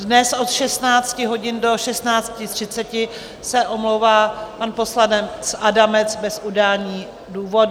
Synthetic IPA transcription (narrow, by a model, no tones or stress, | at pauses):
dnɛsʔo̞t̪ʃɛst̪naːt͡scɪɦo̞ɟɪndo̞ʃɛst̪naːt͡scɪt̪r̝̥ɪtt͡sɛcɪ | sɛʔo̞mlowvaːpanpo̞sladɛmsʔadamɛt͡sbɛsʔudaːɲiː | duːvo̞d